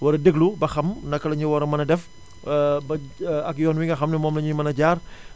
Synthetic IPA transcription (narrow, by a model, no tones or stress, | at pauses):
wɐɾɐdəɡlubɐxɐmnɐkːɐlɐɲuwɐɾɐmɐnɐdɛf | bɐɐkjɔɐnwiŋɡɐxɐmnɐmɔːmnɐɲumɐnɐd͡ʒaːr